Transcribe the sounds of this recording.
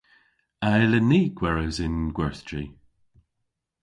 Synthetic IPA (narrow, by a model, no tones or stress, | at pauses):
aləniːɡ̥wɛɹəzɪnɡwɛɹθtʰɹi